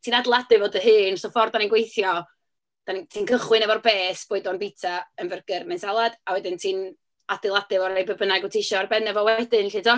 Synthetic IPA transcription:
tʰiːnadlˠadɨvoːdəhɨːnsofɔrdaninɡwejθjɔ | d̥antʰiːnkʰəχwɨnɛvɔrbeːsb̥oːɨdɔnbitʰaənvərɡ̥ərmɛnsalˠad̥awɛdɨntʰiːn | adɪlˠadɨvɔɾejbəbənaɡɨtʰɪʃɔarbɛnɛvɔwɛdɪnɬiːdɔ

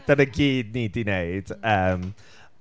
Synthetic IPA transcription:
d̥anəɡiːd̚niːdineɪd̥əm

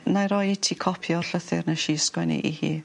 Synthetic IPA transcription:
najɾɔjetʰikʰɔpʰjɔrɬəθɪrnaʃiskwɛnḭʔihḭː

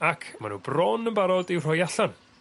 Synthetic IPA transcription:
akʰma̰nṵːbrɔnənbaɾɔdiwr̥ɔjaɬan

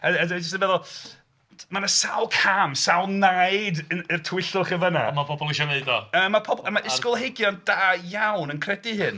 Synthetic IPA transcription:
əədəd͡ʒəstənvɛðɔlˠ | manasawlˠkʰamsawlˠnajdəərtʰwɪɬʊχəvəna̰mapʰɔbɔlˠiʃɔneɨdɔəːmːapʰɔbəmaʔɪsskʊlˠɦeɡjɔnd̥aːjawnənkʰrɛdɪɦɨn

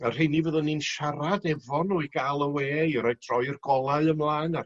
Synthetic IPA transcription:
ər̥ejnivəðɔninʃaɾadɛvɔnɔɨɡaːlˠəweːɾajd̥rɔɨrɡɔlˠaɨəmlˠaːnar

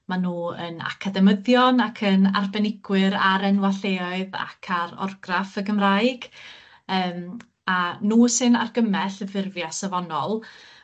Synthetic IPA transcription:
manuːəna̰kʰadɛməðjɔnakʰəna̰rbɛnɪɡwɪɾaɾɛnwaɬeːɔɨða̰kʰaɾɔ̰rɡrafəɡəmrajɡ̥ | əːm | anuːsɨnarɡəmɛɬəvɪrvjasavɔnɔlˠ

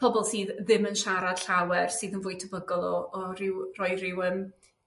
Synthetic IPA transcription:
pʰɔbɔlˠsiːððɪmənʃaɾad̥ɬawɛrsɨːðənvʊːɨtʰəbəɡɔlˠɔːɾɪwrɔjrɪwəm

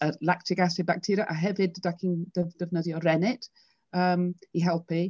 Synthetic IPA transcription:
əlak̚tʰɪɡasɪbak̚tʰiːɾjəʔəɦɛvɪddakʰɪŋd̥əvdəvnədiɔɹɛnɪt | əmhiɦɛlˠpi

